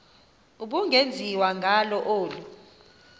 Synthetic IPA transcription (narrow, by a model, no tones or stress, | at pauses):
uɓuŋʱend͡zʱiwaŋʱalɔʔoːlu